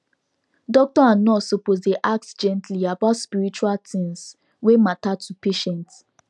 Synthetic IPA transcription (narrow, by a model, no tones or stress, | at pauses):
dɔk̚tɔãnɔsopozdeʔak̚td͡ʒɛ̃ntʰliabatspiɹit͡ʃualtĩŋs | wematatʰupeʃɛ̃nt